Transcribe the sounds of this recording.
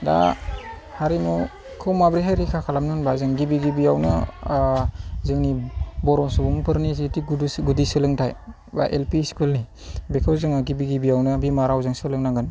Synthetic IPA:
da̰ | haɾimɔ | kʰɯwmabɾiɦajɾikʰakʰalamnɯnbazɯŋɡibiɡibijawnɯ | zɯŋnibɔɾɔsubuŋpʰɯɾnizitiɡudusɡudisɯlɯŋtʰaj | ba̰ʔelpisi̥kʰulni | bekʰɯwzɯŋaɡibiɡibijawnɯbimaɾawzɯŋsɯlɯŋnaŋɡɯn

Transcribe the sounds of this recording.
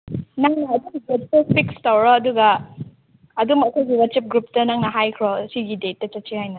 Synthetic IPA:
naŋnɐɐduɡidet̚tɐpʰikstawɾɔɐduɡɐ | ɐdumɐkʰojɡiwɐt͡ʃip̚ɡɾup̚tɐnaŋnɐɦajkʰɾɔsiɡidet̚ːɐt͡ʃɐtt͡ʃihajnɐ

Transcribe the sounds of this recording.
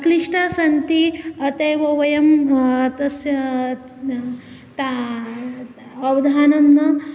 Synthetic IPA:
kliʂʈasɐnt̪iɐt̪ejʋɐʋɐjɐmt̪ɐs | t̪a | ɐʋɐd̪ʱaːnɐmnɐ

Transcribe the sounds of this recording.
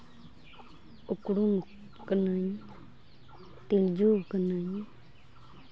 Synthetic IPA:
ukɽum | kənai | t̪ild͡ʒuːkənaĩ

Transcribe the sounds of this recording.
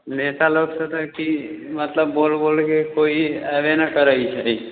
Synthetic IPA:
nesaloksət̪əkimət̪ləbːoːlbolkekoiɛʋenəkəɾəit͡ʃʰɛi

